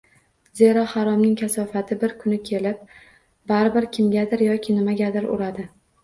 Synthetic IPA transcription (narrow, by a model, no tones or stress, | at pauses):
ze̞ɾɒhaɾɒmnɪŋkʲʰasɒfat̪ʰɪbɪɾkʰʊnɪkʲʰe̞lɪp̚ | baɾɪbɪɾkʲʰɪmɡʲad̪ɪɾjɒkʲʰɪnɪmaɡʲad̪ɪɾʊ̰ɾad̪ɪ